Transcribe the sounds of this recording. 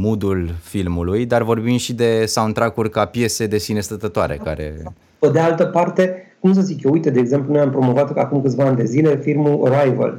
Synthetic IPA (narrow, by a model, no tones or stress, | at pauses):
mud̪ulfilmulujd̪arvo̞rbind̪ʃid̪e̞sawunt̪ɾakurʲkapje̞se̞d̪e̞sine̞st̪ət̪ət̪oaɾe̞̰kaɾe̞̰ | ped̪ealt̪əpart̪e̞kums̬əzikjoujt̪əd̪eːɡze̞mplunojampɾo̞mo̞vat̪akumkɨt̪vaand̪e̞zile̞filmuoɾajvə̰l